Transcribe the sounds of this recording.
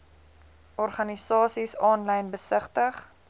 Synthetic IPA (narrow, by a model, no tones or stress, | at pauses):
ʔɔrχɐnisɑːsisɑːnlɛjnbəsəχtəχ